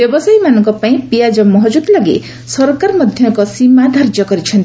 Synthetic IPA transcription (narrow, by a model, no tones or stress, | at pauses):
bjʌbʌsajmanʌŋkʌpaĩpijad͡zʌmʌɦʌd͡zud̪laɡḛ | sʌrkarmʌd̪ʱjʌkʌsimːad̪ʱard͡ʒʌɡʌɾit͡sʰʌn